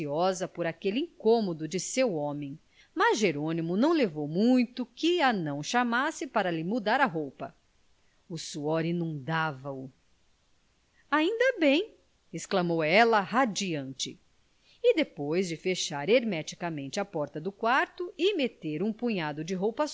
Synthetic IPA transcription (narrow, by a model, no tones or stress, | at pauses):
iɔzɐpoɾakelɪĩŋkõmod̪ʊd͡ʒɪsewɔ̃mẽj̃ | mɐzʒeɾõnimʊnɐ̃w̃levowmũj̃t̪ʊkɪɐnɐ̃w̃ʃamasɪpaɾɐlɪmud̪aɾɐɦowpɐ | ʊsuɔɾinũnd̪avɐʊ | aĩnd̪ɐbẽj̃ | ɪsklɐmowɛlɐɦad͡ʒiɐ̃nt͡ʃɪ̰ | ɪd̪epojzd͡ʒɪfeʃaɾeɾmɛt͡ʃi̥kɐmẽnt͡ʃɪɐpɔɾt̪ɐd̪ʊkwaɾt̪ʊɪmet̪eɾũpuɲad̪ʊd͡ʒɪɦowpɐs